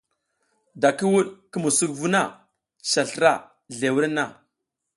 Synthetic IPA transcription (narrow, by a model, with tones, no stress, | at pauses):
da˨ki˦wu˦ɗki˦mu˨su˦kvu˦na˦˨ | ʃa˨ɬɾa˦˨ | ɮe˨wu˦ɾa˦nːa˦˨